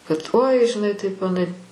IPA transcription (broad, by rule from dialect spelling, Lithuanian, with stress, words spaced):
kɐt oːɪ ʒʲɪˈnɐɪ tɐɪp ɐˈnɐɪ